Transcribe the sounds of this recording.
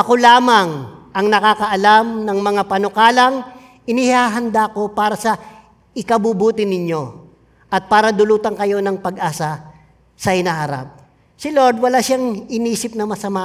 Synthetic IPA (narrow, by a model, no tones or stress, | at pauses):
ʔɐko̞laːmɐŋʔɐŋnɐkaːkɐʔɐlamnɐŋmɐŋapɐnokaːlɐŋ | ʔɪnihaːɦɐnd̪ako̞paːɾɐsɐ | ɪkɐbubuːt̪ɪnɪɲjo̞ | ʔɐt̪̚paːɾɐd̪ʊluːt̪ɐŋkɐjo̞nɐŋpɐɡʔaːsɐ | sɐhɪnaːɦɐɾa̰p̚ | sɪlo̞ɹd̪wɐlaʃaŋɪniːsɪp̚nɐmɐsɐma